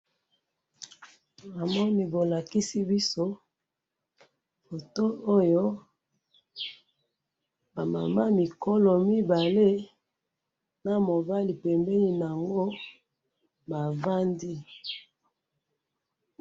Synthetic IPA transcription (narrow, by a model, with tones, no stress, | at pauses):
a˨mɔ˦ni˦bo˨la˨ki˦si˦bi˦so˦ | fo˨to˦o˦jo˦ | ba˨ma̰˨ma˦mi˨kɔ˦lɔ˨mi˦ba˨le˦ | na˨mo˨ba˦li˨pɛ˨mbɛ˦ni˨n˨a˨ŋɡo˦ | ba˨va˦ndi˦